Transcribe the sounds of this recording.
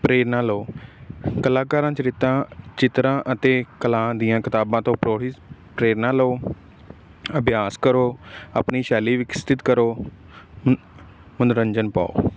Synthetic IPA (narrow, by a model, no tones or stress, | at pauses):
pɾeːɾnãːloː | kəlãːkaːɾãːt͡ʃəɾɪt̪ãːt͡ʃɪt̪ɾãːʔət̪eːkəlãːd̪ɪjãːkɪt̪aːbãːt̪õːpɾoːɽipɾeːɾnãːloː | əbjaːskəɾoːa̰ːpniːʃɛːliːʋɪkst̪ɪt̪kəɾoː | mənɾəɲd͡ʒənpa̰ːo̰ː